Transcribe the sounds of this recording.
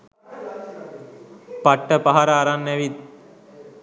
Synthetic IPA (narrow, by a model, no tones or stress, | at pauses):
paʈːəpaɦaɾaːɾanːɛʋit̪̚